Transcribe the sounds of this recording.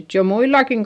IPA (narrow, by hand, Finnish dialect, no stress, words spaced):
jo muilɑkiŋ